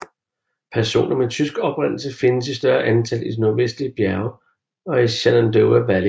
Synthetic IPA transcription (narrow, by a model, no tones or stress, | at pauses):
pʰæɐso̝̰ːnɐmet͡sʰysɡ̥ɒ̽b̥ʁen̰l̩səfe̝nəsisd̥ɶɐʔænt͡sʰæl̰idnoɐʋesd̥liəb̥jæɐʊ | ɒ̽iɕælænd̥øʊæʋæli